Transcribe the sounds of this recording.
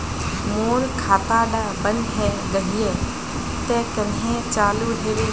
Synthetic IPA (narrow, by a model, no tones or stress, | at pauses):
moːɾkʰaːt̪aːɖaːbənɦɛː | ɡɐɦiɛ | t̪ɛːkɐnɦẽt͡ʃaːluɦeːɾeː